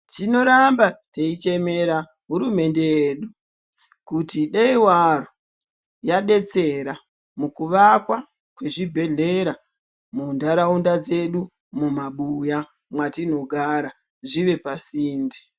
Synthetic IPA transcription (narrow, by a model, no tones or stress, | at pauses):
tino̞ɾambateit͡ʃe̞me̞ɾa | ɦuɾume̞nde̞jeːɗu | kutiɗeiwaro | jaɗe̞t͡se̞ɾa | mukuʋakwa | kwe̞ʐibʱe̞ɮe̞ɾa | mundaɾaundad͡ze̞ɗu | mumaɓuja | mwatino̞ɡʱaːɾa | ʐiʋe̞pasiːnde